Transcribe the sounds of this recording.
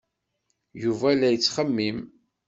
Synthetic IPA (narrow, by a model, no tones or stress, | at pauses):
juvælːæjət͡sːχəmːim